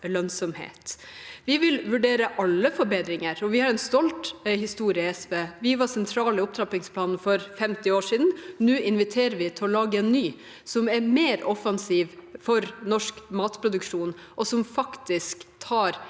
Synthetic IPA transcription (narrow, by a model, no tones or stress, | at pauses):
lœnsɔmhḛːt̪ʋɪʋɪlʋʉɖeːɾəʔɑlːəfɔɾbeːd̪ɾɪŋəɾɔʋɪhɑɾɛnst̪ɔlt̪hɪst̪uːɾɪəɛsʋeːʋɪʋɑsɛnt̪ʰɾɑːlɪʊp̚t̪ʰɾɑpɪŋspʰlɑːnn̩fɔɾfɛmt̪ɪoːʂiːd̪n̩nʉːʔɪnʋɪt̪ʰeːɾəʋɪt̪ʰɪɔlɑːɡəɛnːyː | sɔmɛɾmeːɾɔfɑnsiːʋfɔɾnɔʂkmɑːt̪pʰɾʊd̪ʉkʂuːn | ʔɔsɔmfɑkt̪ɪskt̪ʰɑːɾ